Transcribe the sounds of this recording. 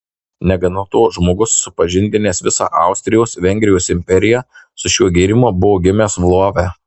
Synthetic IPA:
nʲɛɡɐnot̪oːʒmoːɡʊsːʊpɐʒʲɪnʲd̪ʲɪnʲeːsʋʲɪsɑ̰ːʔɑˑʊsʲt̪ʲɾʲɪjoːsʋʲɛŋʲɡʲɾʲɪjoːsɪmʲpʲɛɾʲɪjɛsʊʃʲuɔɡʲiːɾʲɪmobʊʋoːɡʲɪmʲeːsʋlˠoɔʋʲæ

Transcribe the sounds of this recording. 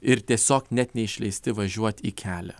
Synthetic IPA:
ɪɾt̪ʲiɛsʲoːknʲɛt̪ʲnʲɛɪʃʲlʲɛɪsʲt̪ʲɪʋɐʒʲuɔt̪ʲiːkʲʰæːlʲɛ̰

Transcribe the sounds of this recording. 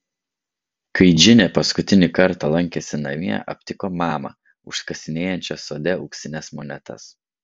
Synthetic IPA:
kʰɐɪd͡ʒʲɪnʲeːpɐskʊt̪ʲɪnʲɪkɐɾt̪ɐlˠɐŋʲkʲesʲɪnɐ̰ʋʲiɛ̰ʔɐ̰pʲt̪ʲɪkoːmɑːmɐ̰ | ʊʃskɐsʲɪnʲeːjɛnʲt͡ʃʲɛsoːd̪ʲɛʊksʲɪnʲɛsmonʲɛt̪ʰɐ̰s

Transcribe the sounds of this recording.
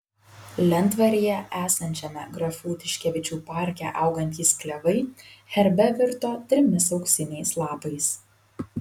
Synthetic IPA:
lʲɛnt̪ʋɐɾʲijɛʔæːsɐnʲt͡ʃʲɛmʲɛɡɾɐfuːt̪ʲɪʃʲkʲɛʋʲɪt͡ʃʲuːpɑˑɾʲkʲæ̰ʔɐʊɡɐnʲt̪ʲiːsklʲɛʋɐɪxʲɛɾʲbʲɛʋʲɪɾt̪oːt̪ʲɾʲɪmʲɪsɒʊksʲɪnʲɛɪslˠɑːpɐɪs

